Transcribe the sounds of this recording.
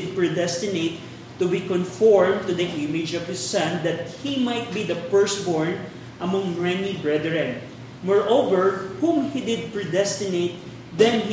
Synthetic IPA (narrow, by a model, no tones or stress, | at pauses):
d̪̚pɹɪd̪ɛst̪ɪneɪt̪ː | ʊbikɔ̃nfɔɹmt̪ʊd̪ɐʔɪmɪd͡ʒɔv̥hɪsɐ̃nd̪ɐt̪̚himajt̪̚bid̪ɐfɛɹst̪bɔɹn | ʔɐ̃ŋmɐŋɹɛnibɹɛd̪ɹɛ̃n | mɔɹʔowvɛɹhũmhid̪ɪd̪̚pɹɪd̪ɛst̪ɪneɪt̪̚ | ðɛ̃n